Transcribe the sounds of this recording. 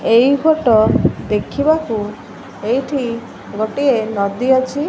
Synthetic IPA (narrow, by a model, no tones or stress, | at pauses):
ejkʰoʈɔd̪ekʰibaku | ejʈʰi | ɡoʈienɔd̪iɔt͡ʃʰi